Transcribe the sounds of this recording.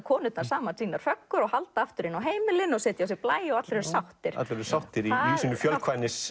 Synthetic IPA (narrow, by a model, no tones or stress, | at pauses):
kʰɔːnɪt̪naɾ̥saːmant̪ʰiːnaɾ̥fœkːʏɾɔɣhalt̪aaft̪ʏɾɪnawɦeːjmɪlɪnɔɣsɛːt̪jawsjɪɾplaːjɔɣat̪lɾɛɾsawht̪ɪɾ̥a̰t̪lɾɾsawht̪ɪɾiasiːnʏfjœlkʰvajnɪs